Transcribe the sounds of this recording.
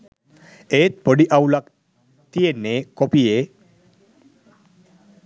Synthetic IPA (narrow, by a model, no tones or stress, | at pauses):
eːt̪̚poɖiʔawlak | t̪ijenːekopije